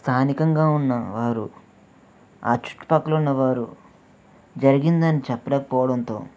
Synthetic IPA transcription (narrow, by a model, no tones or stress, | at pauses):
st̪ʰaːnikɐŋɡaːunːɐ̰ʋaːɾṵ | a̰ːt͡ʃu̥ʈːi̥pɐkːɐlunːɐʋaːɾu | d͡ʒɐɾiɡind̪ɐnit͡ʃɛpːɐlɛːkɐpɔːʋɐɽɐnt̪o̞̰ː